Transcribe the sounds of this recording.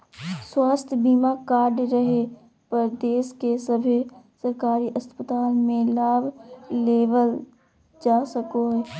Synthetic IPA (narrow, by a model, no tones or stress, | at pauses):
swaːst̪ʰbiːmakaːɾɖɾəɦe | pəɾd̪eːskesəbʱesəɾkaːɾiʔɐspət̪aːlmẽlaːbʱleːʋəl | d͡ʒaːsəkoɦɛː